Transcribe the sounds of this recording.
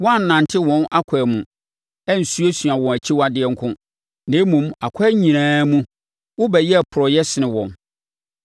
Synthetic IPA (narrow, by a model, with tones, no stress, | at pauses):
wɔ̃˦a˦n̩˨nã˨ntʰɪ˦wɔ̃˨˦na˦kʰɛ˨mũ˨ | ɛ˦n̩˨su˦e˦sɥa˨wɔ̃˨æ˨t͡ɕʰi˦wa˦dɪ˦ɛ˦ŋ̩˦kʰʊ̃˦ | nẽ˦mũ˨ma˨kʷʰɛː˦ɲĩ˨nãː˦mũ˦ | wʊ˦bɛ˨jɛ˦a˨pʰʊ˨ɾɔ˨jɛ˦sɪ˨nɪ̃˨wɔ̃˨n